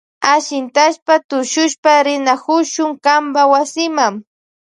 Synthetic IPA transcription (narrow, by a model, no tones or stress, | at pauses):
aʃɪnt̪aʃpat̪ʊʃʊʃpaɾɪnakʊʃʊŋkambawasɪmaŋ